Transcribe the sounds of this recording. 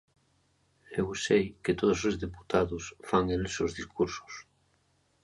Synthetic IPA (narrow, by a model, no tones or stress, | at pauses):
ewsejket̪oð̞osozðepu̥t̪aðosfaŋelesozðiskuɾso̥s